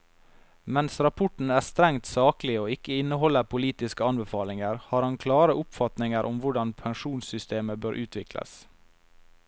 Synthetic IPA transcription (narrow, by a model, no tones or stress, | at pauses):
mɛnsɾɑpʰʊʈɳ̩æːst̪ɾɛŋt̪sɑːklɪoːɪkəɪnəhɔləpʰʊliːt̪ɪskəɑnbəfɑːlɪŋəɾhɑːɾhɑnkʰlɑːɾəʔʊpfɑt̪nɪŋəɾʔʊmʋʊɖɑnpʰɛŋʂuːnsʏst̪eːməbøːɾʔʉːt̪ʰʋɪklə̰s